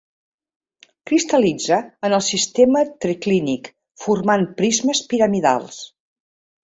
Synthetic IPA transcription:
kɾist̪əlid͡zəənəlˠsist̪emət̪ɾiklinik | furmanpɾizməspiɾəmiða̰lˠs

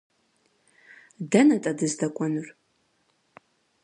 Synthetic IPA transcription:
dɐnɐtʼɐdɨzdɐkʷʼɔnɨr

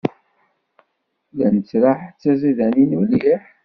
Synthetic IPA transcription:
ðænət͡sːɾaħt͡sːæziðæninuljiħ

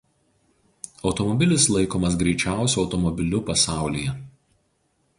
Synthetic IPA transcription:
ɒʊt̪ɔmɔbʲɪlʲɪslˠɐɪkoːmɐs̬ɡɾʲɛɪt͡ʃʲæˑʊsʲuɒʊt̪ɔmɔbʲɪlʲʊpɐsɑˑʊlʲiːjɛ

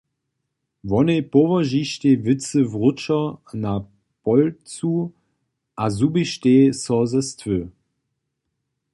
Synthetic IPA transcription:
vɔnepɔvɐʒiʃtevɪt͡səvʁʊt͡ʃɐna | pɔlt͡suː | ʔazubiʃteːsɔzəstʰvøː

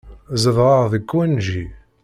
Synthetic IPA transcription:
zəðʁˤɑʁðəkːwænʒi

